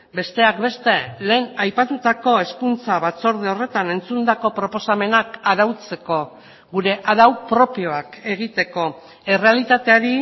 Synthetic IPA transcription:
be̞st̪e̞akbe̞st̪e̞le̞ːnajpat̪ut̪ako̞e̞skunt͡saβat͡so̞ɾð̞eo̞re̞t̪ane̞nt͡sund̪ako̞pɾo̞po̞same̞nakaɾawt͡se̞ko̞ | ɣuɾe̞ʔaðawpɾo̞pio̞ake̞ɣ̞it̪e̞ko̞ | e̞re̞alit̪at̪e̞aɾi

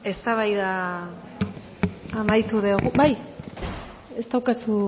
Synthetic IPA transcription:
e̞st̪aβajða | majt̪uðe̞oɣubaj | e̞st̪awkasu

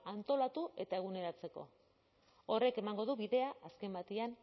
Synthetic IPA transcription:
ant̪o̞lat̪ue̞t̪ae̞ɣ̞une̞ɾat͡se̞ko̞̰ | o̞re̞ke̞maŋɡo̞ð̞uβiðe̞aaske̞mbat̪ian

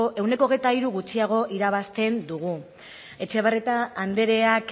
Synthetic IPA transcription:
e̞wne̞koɣ̞e̞jt̪aiɾuɣut͡siaɣ̞o̞ʔiɾaβ̞ast̪e̞nd̪uɣ̞u | e̞t͡ʃeβaret̪aːnd̪e̞ɾe̞ak

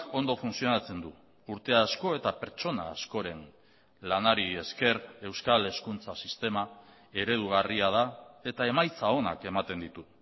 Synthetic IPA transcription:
o̞nd̪o̞funsio̞nat͡se̞nd̪u | uɾt̪e̞asko̞e̞t̪ape̞ɾt͡ʃo̞na̰ːsko̞ɾe̞n | lanaɾie̞ske̞ɾe̞wskale̞skunt͡sasist̪e̞ma | e̞ɾe̞ð̞uɣ̞ariað̞ae̞t̪ae̞majt͡sao̞na̰ke̞mat̪e̞nd̪it̪u

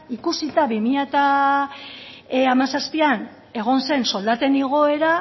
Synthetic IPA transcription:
ikusit̪aβimiʎat̪a | amasaspian | e̞ɣ̞o̞nse̞nso̞ld̪at̪e̞niɣ̞o̞e̞ɾa

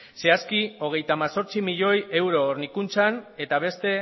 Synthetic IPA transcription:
se̞askio̞ɣ̞e̞jt̪aːmaso̞ɾt͡simiʎo̞je̞wɾo̞ːɾnikunt͡sane̞t̪aβ̞e̞st̪e̞

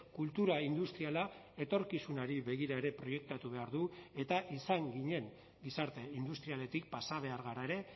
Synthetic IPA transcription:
kult̪uɾaind̪ust̪ɾiala | e̞t̪o̞ɾkisunaɾiβe̞ɣ̞iɾae̞ɾe̞pɾo̞je̞k̚t̪at̪uβe̞aɾðue̞t̪aʔisaŋɡiɲe̞ŋ | ɡisaɾt̪e̞ind̪ust̪ɾiale̞t̪ik̚pasaβ̞e̞aɾɣaɾae̞ɾe̞

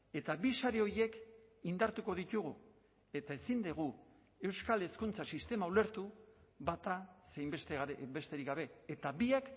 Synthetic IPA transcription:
e̞t̪aβisaɾeo̞ɾje̞kind̪aɾt̪uko̞ðit̪uɣ̞u | e̞t̪ae̞sind̪eɣ̞u | e̞wskale̞skunt͡sasist̪e̞maule̞ɾt̪uβat̪asejmbest̪ebe̞st̪e̞ɾikɡaβ̞e̞ːt̪aβiak

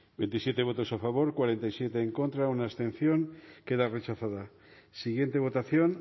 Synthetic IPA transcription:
be̞nt̪isje̞t̪e̞β̞o̞t̪o̞safaβ̞o̞ɾkwaɾe̞nt̪ajsje̞t̪eːŋko̞nt̪ɾaunaest̪ẽ̞n̟θjo̞ŋke̞ð̞are̞t͡ʃaθaða | siɣje̞nt̪e̞βo̞t̪aθjo̞n

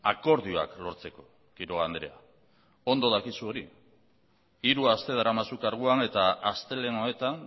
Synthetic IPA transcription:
ako̞ɾðioa̰klo̞ɾt͡se̞ko̞ | kiɾoɣand̪ɾe̞a | o̞nd̪o̞ð̞akisuo̞ɾi | iɾuast̪e̞ðaɾamasukaɾɣ̞uane̞t̪aast̪e̞le̞no̞e̞t̪an

